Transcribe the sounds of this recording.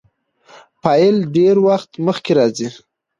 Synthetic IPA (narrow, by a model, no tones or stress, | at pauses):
pɑjɪlɖeɾwaxt̪məxkeɾɑzi